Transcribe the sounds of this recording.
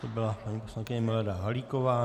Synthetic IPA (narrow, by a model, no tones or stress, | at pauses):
t̪obɪlapaɲiːpo̞slaŋkɪɲɪmɪlɛdaɦaliːkovaː